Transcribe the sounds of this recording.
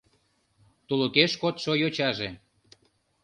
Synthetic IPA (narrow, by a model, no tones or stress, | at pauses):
t̪ulokeʃkot̪ʃojot͡ɕɑʒe